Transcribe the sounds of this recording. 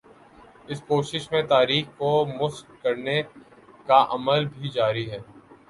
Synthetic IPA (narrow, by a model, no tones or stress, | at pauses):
ɪskoːʃɪʃmẽt̪aːɾiːxkomʊskɐɾne | kaʔɐməlbʱid͡ʒaːɾiɦɛː